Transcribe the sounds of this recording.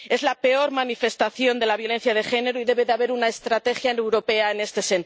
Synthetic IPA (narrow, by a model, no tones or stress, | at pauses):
e̞zlape̞o̞ɾmanife̞st̪aθjo̞nd̪e̞laβ̞jo̞le̞n̟θjað̞e̞xe̞ne̞ɾoiðe̞βe̞ðeaβe̞ɾunaest̪ɾat̪e̞xjaewɾo̞pe̞ae̞ne̞st̪e̞se̞n